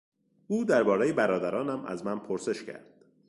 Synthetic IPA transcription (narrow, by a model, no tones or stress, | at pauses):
ʔuːd̪æɾbɒːɾejebæɾɒːd̪æɾɒːnæmʔæ̰zmænpʰoɾse̞ʃcʰæ̰ɾd̪̥